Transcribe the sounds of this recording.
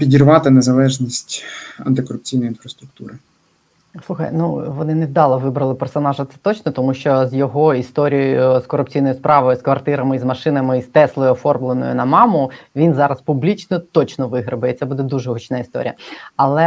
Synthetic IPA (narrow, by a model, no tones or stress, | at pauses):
pʲidʲirʋɑt̪ɪnezɐlˠɛʒnʲisʲtʲɐ̰nt̪ɪkɔɾʊpt͡sʲijnɔjinfɾɐst̪ɾʊk̚t̪uɾɪ | sˠuxɐ̰jnuʋɔnɪned̪ɑlˠɐʋɪbɾɐlˠɪpɛrsɔnɑʒɐt̪sɛ̥t̪ɔt͡ʃnɔt̪ɔmuʃt͡ʃɔzjɔɦɔist̪ɔɾʲijɔjjʊskɔɾʊpt͡sʲijnɔjʊspɾɑʋɔjʊskʋɐrt̪ɪɾɐmɪizmɐʃɪnɐmɪist̪ɛslˠɔjʊɔfɔrmlˠenɔ̰jʊ̰nɐmɑmʊʋʲinzɑɾɐspublʲit͡ʃnɔt̪ɔt͡ʃnɔʋɪɦɾɐbɐit̪sɛbud̪ɛd̪uʒɛɦut͡ʃnɑist̪ɔ̰ɾʲḭjɐ̰ɐlˠɛ